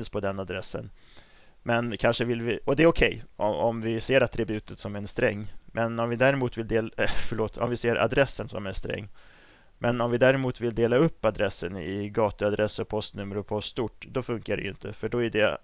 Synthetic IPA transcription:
nspʰɔd̪ɛnːad̪ɾɛsːə̰n | mɛnkʰanʂəvɪlvɪɔd̪ɛːɾɔkʰɛjɔɔmvɪseːɾat̪ʰːɾɪbʉ̟ːt̪ət̪sɔmæɛnst̪ɾɛ̰ŋːmʔɛnɔmvɪd̪æɾɛmuːt̪vɪld̪eːlfœɭoːt̪ɔ̰mvɪseːɾʔa̰d̪ɾɛsːənsɔ̰mænst̪ɾɛ̰ŋː | mʔɛnɔmvɪd̪æːɾɛmuːt̪vɪld̪eːlaɵpːad̪ɾɛsːənɪ̰ɡɑːt̪əad̪ɾʔɛsɔpʰɔst̪nɵmːəɾʊpʰɔst̪uʈd̪ɔfɵŋkaɖɛ̰jʏnt̪ʰəfœɖɔæɖɛ

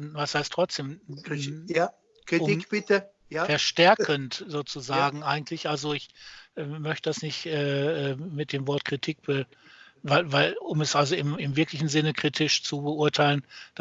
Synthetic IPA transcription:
vashaɪstʁ̥ɔt͡sd̥eːm | ktʊb̥ɪtə | fɛɐʃtɛɐkʰəntz̥oːt͡suzaːɡŋ̩ʔaɪɡŋ̩tʰlɪçʔalzoɪçʔɛːmœçtəd̥asnɪçtʔɛːɛːmɪt̚d̥eːmvɔɐtkʁ̥itʰiːk̚b̥ə | vaɪlvaɪlʊmɛsʔalzoɪmɪmvɪɐklɪçn̩zɪnəkʁ̥iːtʰɪʃt͡subəʊɐtʰaɪlənd̥

